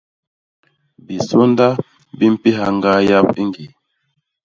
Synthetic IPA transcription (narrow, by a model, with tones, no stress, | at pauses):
bi˨so˦nda˦ | bi˦m̩˦pi˦ɦa˨ŋɡa˦ja˦p̚ḭ˦ŋɡi˨